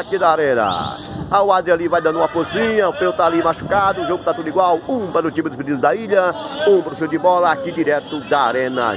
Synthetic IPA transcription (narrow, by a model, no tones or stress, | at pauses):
akid̪aaɾẽnɐ̰ | ɐʊwad̪ɾɪalivajd̪ɐ̃nũmɐfozĩɲɐʊpewt̪alimaʃu̥kad̪ʊũʒoɡʊt̪at̪ud̪ʊiɡwawũpɐɾnʊt͡ʃ̪ĩmʊd̪ʊsped̪ĩd̪ʊzd̪ɐiʎɐũpɾʊsewd͡ʒɪbɔlɐakid̪iɾɛt̪ʊd̪ɐa̰ɾẽnɐ̰